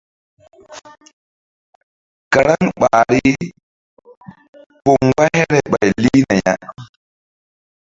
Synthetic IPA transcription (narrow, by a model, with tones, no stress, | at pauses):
ka˨ɾa˦ŋɓaːɾi˦ | pɔ˨ŋɡa˦jɛɾɛɓa˨jliː˦na˨ɲa